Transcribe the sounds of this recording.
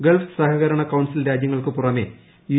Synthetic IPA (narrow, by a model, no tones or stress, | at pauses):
ɡeɭfsɐɦɐɣɐɾɐɳɐkɐwɳsilɾaːd͡ʑjɐŋːɐɭkɨpurɐme̞̰ː | ju